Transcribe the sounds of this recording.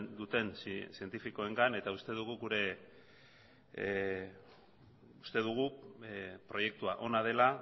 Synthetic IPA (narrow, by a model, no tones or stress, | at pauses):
d̪ut̪e̞nsie̞nt̪ifiko̞e̞ŋɡane̞t̪aust̪e̞ðuɣ̞uɡuɾe̞ | ust̪e̞ð̞uɣ̞u | pɾo̞je̞k̚t̪uaʔo̞nað̞e̞la